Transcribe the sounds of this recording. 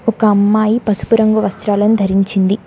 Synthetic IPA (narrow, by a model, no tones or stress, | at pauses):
ɔkɐːmːaːjipɐsu̥puɾɐŋɡuʋɐst̪ɾaːlɐnud̪ʱɐɾiɲt͡ʃind̪i